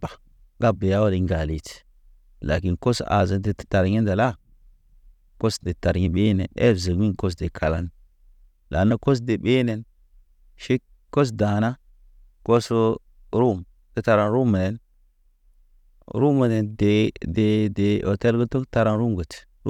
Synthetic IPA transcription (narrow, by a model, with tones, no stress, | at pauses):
bḁ˨ | ɡa˦be˨ja˦wo˦li˨ŋ˦ɡa˨li˨t | la˨ki˦nko˦sa̰˨zə˨nde˦˨ta˨ɾɲe˦nda˨la˦ | ko˦sde˨ta˨ɾɲi˨ɓe˦nḛ˨nḛ˦˨zə˨mi˦ŋko˦s̬de˨kʰa˨la˦n | la̰˨na˦ko˦s̬de˨ɓe˦ne˨n | ʃe˦ | kːo˦s̬da˨na˦ | ko˦s | ɾu˦˨m | te˦ta˨ɾa˦nɾu˦mə˨ne˨n | ɾu˦mə˨ne˨nde˨de˨de˨o˨te˦lɡo˦to˦kta˦ɾa˦nɾu˦mɡə˨t